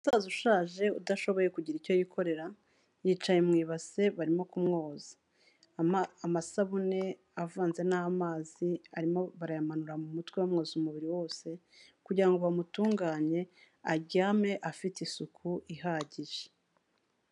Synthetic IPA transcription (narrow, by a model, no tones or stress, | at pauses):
usaːzuʃaːʒe̞udaʃo̞βo̞je̞kuɟiɾico̞jikʰo̞ɾe̞ɾa | jiːt͡ʃajemŋiːβaze̞βaɾimo̞kumŋo̞ːzḁ | amasaβune̞ | avaːnze̞naamaːziaɾimo̞βaɾajamanuɾamumutwewamŋo̞ːzumuβiɾiwo̞ːse̞ | kuɟiɾaŋɡo̞βamutuːŋɡaːɲe̞ | aɟaːme̞ʔafitisukʰuiɦaːɟiʒe̥